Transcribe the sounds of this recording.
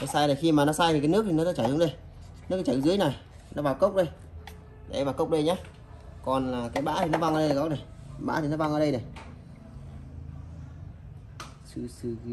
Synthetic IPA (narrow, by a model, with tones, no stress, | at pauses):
nɔ˨˦saː˧jlaː˨˩xi˧maː˨˩nɔ˨˦saː˧jkaː˨˦jnɨ˦˥ək̚t̪i˨˩nɔ˨˦t̪a˧˦t͡ɕa˨˧˩jzʊ˨˦ŋ͡mɗə˧j | n˦˥ək̚ːt͡ɕa˨˧˨zɨ˨˦əjna˨˩j | nɔ˨˦ɓaː˨˩wkə˦˥wk͡p̚ɗə˧j | ʔa˧jɓaː˨˩wkə˦˥wk͡p̚ɗə˧jɲaː˨˦ | kɔ˨˩nlaː˨˩kaː˨˦jɓa̰ː˧˥t̪ʰi˨˩nɔ˨˦ɓa˧ŋʔə˧ɗə˧a˧˩kɔ˦˥na˨˩jɓa̰ː˧˥t̪i˨˩nɔ˨˦ɓa˧ŋəː˧ɗə˧jnə˨˩j | sɨ˧sɨ˧